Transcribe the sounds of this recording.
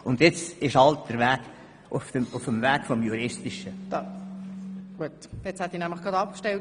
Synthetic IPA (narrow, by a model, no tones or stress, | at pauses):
ʊndjɪt͡sɪʃɑlt̚d̥əɾvæːɡ̥ | ʔʊfdəmʊfəmvæːɡ̥fɔmjuɾɪstɪʃəd̥̪ɑ | ɡ̥uətjet͡shæt̪ːinæmləχɡ̥ʁɑdɑpkʃtɛlt